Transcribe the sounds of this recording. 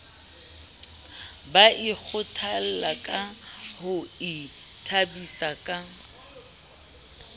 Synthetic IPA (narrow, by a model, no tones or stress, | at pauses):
baʔik͡xʰʊtʰal̩lakʼahʊi | tʰabisakʼa